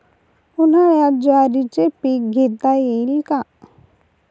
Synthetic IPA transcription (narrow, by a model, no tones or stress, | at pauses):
ʊnãjad͡ʒaːɾit͡ʃepiːkɡʱet̪ajelka